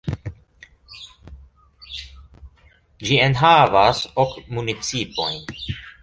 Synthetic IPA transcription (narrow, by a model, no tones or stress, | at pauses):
d͡ʒienɦavasokmunit͡sipo̞jn